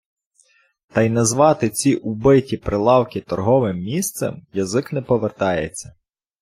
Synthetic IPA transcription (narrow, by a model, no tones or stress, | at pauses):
t̪ɐjnɐzʋɑt̪ɪt͡sʲiʔubɪtʲipɾɪlˠɑwkʲɪt̪ɔrɦɔʋɪmːʲist̪sɛ̰mjɐzɪknɛpɔʋert̪ɑjḛt͡sʲːɐ